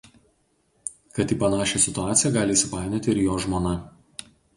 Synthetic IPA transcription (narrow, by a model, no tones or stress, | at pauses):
kɐt̪iːpɐnɑːʃʲesʲɪt̪ʊɑːt̪sʲɪjɛɡɑːlʲɪiːsʲɪpɑːˑɪnʲɛt̪ʲɪɪɾjoːʒmoːnɐ